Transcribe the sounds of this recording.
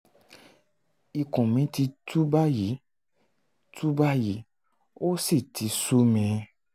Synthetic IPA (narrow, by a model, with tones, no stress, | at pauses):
i˧kɔ̃˨mĩ˨˦ti˧tu˦ba˦ji˨˦ | tu˦ba˦ji˨˦ | o˦si˦˨ti˨˦su˦mɛ̃˨˦